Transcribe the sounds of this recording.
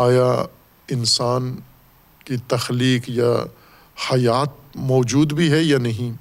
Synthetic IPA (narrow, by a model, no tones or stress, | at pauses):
aːja | ɪnsaːn | kit̪ɐxliːkja | hɐjaːt̪̚mɔːd͡ʒuːd̪bʱiɦɛjanɐɦĩ